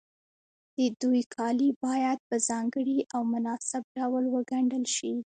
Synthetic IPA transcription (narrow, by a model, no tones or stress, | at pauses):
d̪̥əd̪ujkʰɑlibɑjad̪̚pəzɑŋɡəɽiʔawmʊnɑsɪb̚ɖawlwəɡaɳɖəlʃi